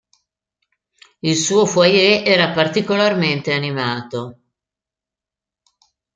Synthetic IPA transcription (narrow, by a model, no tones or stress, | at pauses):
ilsuːofwajeʔɛːɾapart̪ikolarment̪eanimaːt̪o